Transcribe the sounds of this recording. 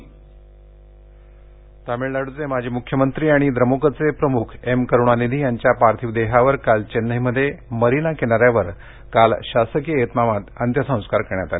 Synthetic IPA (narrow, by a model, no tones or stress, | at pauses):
t̪amiɭlaɽud͡zemad͡ʑʱiːmukʰːjəmənt̪ɾiːaɽ̃id̪ɾəmokət͡sepɾəmukʰemkəɾuɳ̃anid̪ʱiːjaɲt͡ɕjapaɾt̪ʰiʋd̪eɦaʋəɾkalt͡ɕenːəɦiməd̪ʱːjeməɾinakenaɾjaʋəɾ | kalɕasəkijəet̪maʋat̪ənt̪jəsə̃w̃skaɾkəɾɳjat̪ale